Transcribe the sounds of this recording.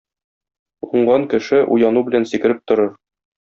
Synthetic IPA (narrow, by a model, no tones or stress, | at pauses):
uɴɢɑŋkɘ̆ʃɘʔṵjɑnubɘ̆lænsikɘ̆ɾɘp̚t̪ŏɾɤɾ